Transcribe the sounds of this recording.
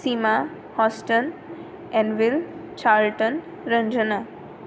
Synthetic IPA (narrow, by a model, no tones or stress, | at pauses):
sima | hɔsʈən | ɛ̃ɳɖʋɪlt͡ʃalʈən | ɾə̃ɲd͡ʒəna